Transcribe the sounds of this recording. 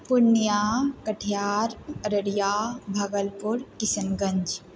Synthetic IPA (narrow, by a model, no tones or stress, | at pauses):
pʊnːjaːkəʈʰijaːɾəɾəɽjaːbʱɐɡəlpʊɾkɪsənɡɐ̃ɲd͡ʒ